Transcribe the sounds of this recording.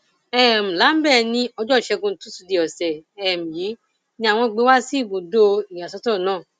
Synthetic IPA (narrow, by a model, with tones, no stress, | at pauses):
ɛ˦˨m̩̃˨la˨˦m̩˦bɛ˦˨nĩ˧ɔ˧d͡ʒɔ˦˨ʃɛ˧ɡũ˧n˦tũ˨˦su˧di˧ɔ˨sɛ˨ɛ˦˨m̩̃˨ji˨˦ | nĩ˧a˨w̃ɔ̃˧˨ɡ͡be˨˦wa˦si˦i˦˨bo˨do˧i˨j̃ã˨sɔ˨˦tɔ˦˨nãː˦˨